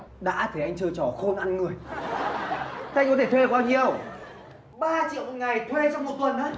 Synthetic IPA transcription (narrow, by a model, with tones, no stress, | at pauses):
ɗa̰ː˧˥t̪ʰe˧˩ʔa˧jŋ̟t͡ɕɨː˧t͡ɕɔ˧˩xo˧nʔa˧nŋɨ˨˩əj | ʔa˧jŋ̟kɔ˨˦t̪ʰe˧˩t̪ʰwe˧˨˩kwaː˧ɲi˧˨ə˩w | ɓaː˧t͡ɕḭ˧˨ə˨wŋa˨˩jt̪ʰwe˧t͡ɕɔ˧wŋ͡mmo˨˩t̚t̪wə˨˩nə˨˧˦